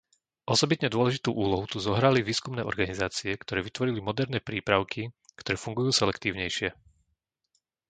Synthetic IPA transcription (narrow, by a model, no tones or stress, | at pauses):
ʔɔsɔbit̪ɲɛd̪ʊɔlɛʒit̪uːʔuːlɔɦut̪uzɔɦɾaliʋiːskumnɛːʔɔ̰ɾɡanizaːt͡siɛkt̪ɔɾɛːʋit̪ʋɔɾilimɔd̪ɛɾnɛːpɾiːpɾaʊkʰikt̪ɔɾɛːfuŋɡujuːsɛlɛkt̪iːʊɲɛjʃɪɛ